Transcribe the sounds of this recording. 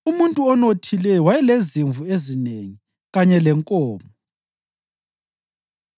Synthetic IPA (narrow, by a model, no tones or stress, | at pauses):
umuntʼuɔnotʰilɛjɔwajɛleziɱvuezineŋi | ɣaɲɛlɛŋkʼɔːmɔ